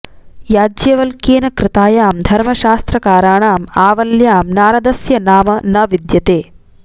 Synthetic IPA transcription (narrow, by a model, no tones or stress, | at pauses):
jaːd͡ʒjɐʋɐlkeːnɐkɾɪt̪aːjaːmd̪ʱɐɾmɐʃaːst̪ɾɐkaːɾaːɳaːmaːʋɐljaːmnaːɾɐd̪ɐsjɐnaːmɐnɐʋid̪jɐt̪eː